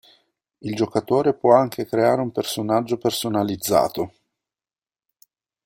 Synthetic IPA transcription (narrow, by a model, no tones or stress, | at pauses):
ild͡ʒokat̪oːɾepwɔaŋkʰekɾeaːɾeumpersonad͡ʒːopersonalid̪zːa̰ːt̪o